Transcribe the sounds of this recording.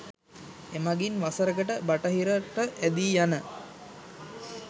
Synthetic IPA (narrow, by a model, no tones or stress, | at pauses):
emaɡinʋasəɾəɡəʈəbaʈəɦiɾəʈəʔæd̪iːjanə